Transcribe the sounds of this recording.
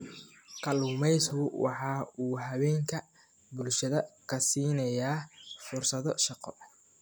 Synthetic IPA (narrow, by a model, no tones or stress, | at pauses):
kʰɐluːmɛjskʊwʔɑ̰ħɑːuːɦɐwɛːŋkʰɐ | bʊlʃɐðɐkʰɐsiːnɐjaːfʊrsɐðɔʃɑqɔ